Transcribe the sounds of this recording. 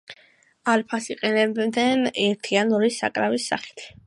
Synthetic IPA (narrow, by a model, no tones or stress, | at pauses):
aɾpʰasiqʼɛnɛbbd̪ɛnɛɾt̪ʰianɔɾisːa̰kʼɾavisːa̰χi̥t̪ʰ